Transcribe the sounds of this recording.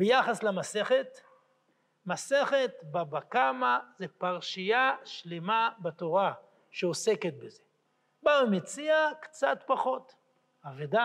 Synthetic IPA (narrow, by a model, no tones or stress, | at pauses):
bejaχaslamase̞χet | mase̞χet̪babakamazepaʁʃijaʃlemabato̞ʁa | ʃeose̞ket̪̚beze | baemet͡siakt͡sat̪paχo̞t̪ | aveda